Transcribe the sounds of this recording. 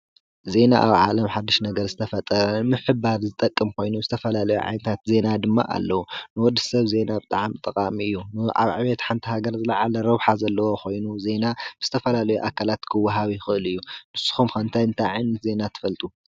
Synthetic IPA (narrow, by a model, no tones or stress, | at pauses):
ze̞na̰ʔa̰βʕa̰lɐmħad̪ːɨʃnɐɡɐɾzɨt̪ʰɐfɐt̪ʼɐɾɐmɨħɨbaɾzɨt̪ʼɐkʼːɨmkʰo̞jnuzɨt̪ʰɐfɐlalɐjuʕa̰jnɨt̪ʰat̪ze̞nad̪ɨmːa̰ʔa̰lːɐwunɨwɔd̪ːɨsɐβze̞nabɨt̪ʼaʕamt̪ʼɨkʼamiɨjːunɨʔa̰βʕɨβet̪ħant̪ʰiɦaɡɐɾzɨlaʕalɐɾɐβħazɐlːɐwoxo̞jnuze̞nabɨz̥ɨt̪ʰɐfɐlalɐjuʔakʰalat̪kʰɨwːɐɦaβixɨʔɨlɨjːumɨsːɨ̥xumxɐnt̪ʰajɨnt̪ʰajʕajnːɐt̪ze̞nat̪ʰɨ̥fɐlt̪ʼu